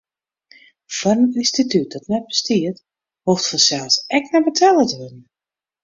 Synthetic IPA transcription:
fɔɾəninstitʰyt̚dɔtnɛt̚bə̥stiət | hoftfɔsɛlˠsɛknɛbətʰaːlˠətəønn̩

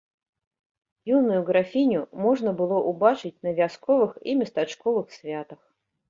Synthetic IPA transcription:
junʊjʊɡɾafʲinʲʊmoʐnəbɨlˠoʔʊbat͡ʂɨt̚ʲnəvʲɪaskovɨximʲɪst̪at͡ʃkovɨxsvʲat̪əx

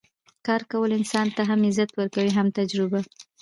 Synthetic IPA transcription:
kɑɾkawəlɪnsɑnt̪aɦamɪzat̪wəɾkawiɦamt̪ad͡ʒɾɪba

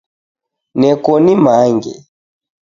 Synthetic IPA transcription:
nɛkɔnimaŋɡɛ̰

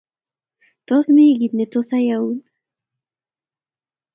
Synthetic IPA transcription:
t̪osmiɡit̪net̪osajaun

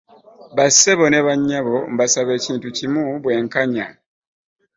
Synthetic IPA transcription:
βase̞βo̞ne̞βaɲːaβo̞mbasaβe̞ːciːntucimuβwe̞ːŋkaɲa

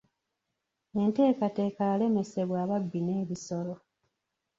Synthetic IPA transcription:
e̞nte̞ːkate̞ːkaːle̞me̞se̞βwaːβabːineːβiso̞lo̞

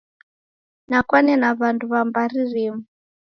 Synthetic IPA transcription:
nakwanɛnaβanduβambaririmu

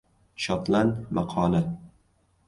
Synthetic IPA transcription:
ʃɒt̪lanmaqʰɒːla

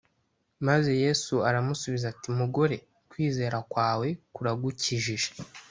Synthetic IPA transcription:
maze̞je̞ːsuaɾamusuβizatimuɡo̞ɾe̞ | kwiːze̞ːɾakwaːwe̞kuɾaɡuciʒiʒe̥

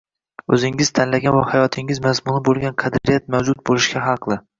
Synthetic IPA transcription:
ɵzɪŋɪz̥t̪ʰanlaɡʲanvahajɒt̪ʰɪŋʲɪzmazmʊnɪbolˠɡʲanqʰɑd̪ɾɾɪjat̪̚mawd͡ʒʊt̪̚bolɪʃkʲaɦɑqlˠɪ

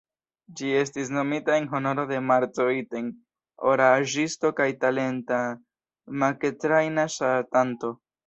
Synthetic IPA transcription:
d͡ʒie̞s̬tis̬no̞mitae̞nɦo̞no̞ɾo̞de̞maɾt͡soiten | oɾaʒisto̞kajtale̞nta | make̞tɾajnaʃatanto̞

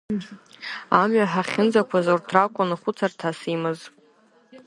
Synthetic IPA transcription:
amɥaħaχʲɪnd͡zakʷʰazortʰrakʷʼʊnɨχʷʊt͡sʰartʰasimɨz

